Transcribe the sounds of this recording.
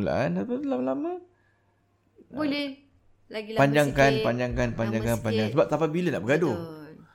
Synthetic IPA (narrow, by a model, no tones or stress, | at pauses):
ula̰ʔanapəlamalama | bolɛ | apaɲd͡ʒaŋkanpaɲd͡ʒaŋkanpaɲd͡ʒaŋkanpaɲd͡ʒaŋsəbap̚t̪apabilənaʔbəɡado